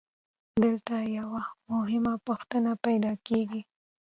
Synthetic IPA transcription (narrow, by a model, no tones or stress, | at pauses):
d̪əlt̪ajawamʊɦɪmapuxt̪ənapajd̪ɑkeɡi